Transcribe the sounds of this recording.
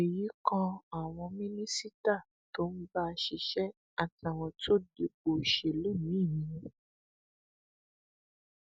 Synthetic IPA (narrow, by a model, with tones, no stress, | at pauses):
e˨ji˨˦kɔ̃˧a˨w̃ɔ̃˧mĩ˦nĩ˦si˦ta˦˨ | to˨˦mĩ˦˧˦ba˦˧ʃi˧˨ʃɛ˦ | a˨ta˨w̃ɔ̃˨to˦de˧ɡ͡bo˨ʃe˨le˦nĩ˨˦i˦˨mĩ˧ũ˦